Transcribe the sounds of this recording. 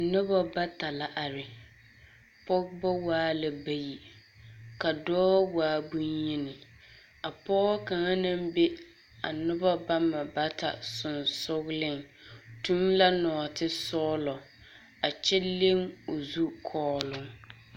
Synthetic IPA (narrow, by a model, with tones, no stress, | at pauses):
nʊ˦ba˦ba˦ta˨la˨ʔa˨ɾɪ˨ | pɔ˦ɡba˦waː˦la˨ba˦ji˨ | ka˨dɔː˦waː˦bu˦ɲji˦nɪ˨ | a˨pɔː˦ka˨ŋa˦nã˦mbe˦ | a̰˨nʊ˦ba˦ba˦ma˨ba˦tʰa̰˨sʊ˨nsʊ˦ɣlɪ˦ŋtu˦nla˦nɔː˨tɪ˦sɔː˦lɔ˨ | a˨t͡ʃɛ˦le˦ŋo˨zu˦kʰɔː˦lʊ˦ŋ